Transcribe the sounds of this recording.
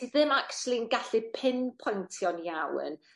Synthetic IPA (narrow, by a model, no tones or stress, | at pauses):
iðɪmakt͡ʃulˠiənɡaɬɪpʰɪnpʰɔjntʰiɔnjawn